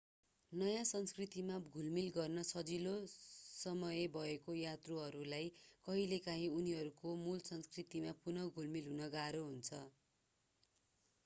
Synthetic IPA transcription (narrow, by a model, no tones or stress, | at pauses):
nʌjãsʌnskrit̪imaɡʱulmilɡʌrnʌsʌd͡zilosʌmʌjebʱʌekojat̪roɦʌɾulajkʌɦilekaɦĩuniɦʌɾukomulsʌnskrit̪imapunʌɡʱulmilɦunʌɡaɾoɦunt͡sʰʌ